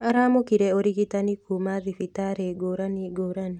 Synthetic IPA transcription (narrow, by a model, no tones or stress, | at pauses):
aɾamokiɾeoɾiɡitanikʰumaðifitaɾeɡoɾaniɡoɾani